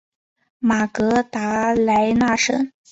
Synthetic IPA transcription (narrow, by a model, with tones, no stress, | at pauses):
ma˨˩kɤ˧˥t̪a˧˥la˧˥ɪna˥˩ʂə̰˥˩ŋ